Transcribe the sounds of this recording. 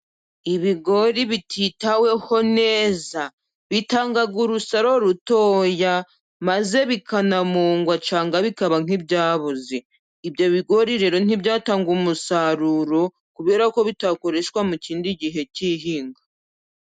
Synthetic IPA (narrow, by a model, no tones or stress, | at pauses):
iβiɡo̞ɾiβitʰitawe̞ho̞ne̞ːza | βitaːŋɡaɡuɾusaɾo̞ɾuto̞ːja | maze̞βikanamuːŋɡwat͡ʃaːŋɡaβikaβaŋ̥ibɟaːβuziː | bjo̞βiɡo̞ɾiɾe̞ːɾo̞n̥ibɟaːtaːŋɡumusaɾuɾo̞ | kuβe̞ːɾako̞βitako̞ɾe̞ʃwamuciːndiɟiɦe̞ciɦiːŋɡa